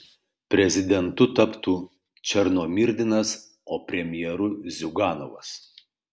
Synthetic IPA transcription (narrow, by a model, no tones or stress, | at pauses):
pʲɾʲɛzʲɪd̪ʲɛnt̪ʊt̪ɐpt̪uː | t͡ʃʲɛɾnoːmʲɪɾʲd̪ʲɪnɐs | oːpʲɾʲɛmʲɪjɛɾʊzʲʊɡɑːno̰ʋɐ̰s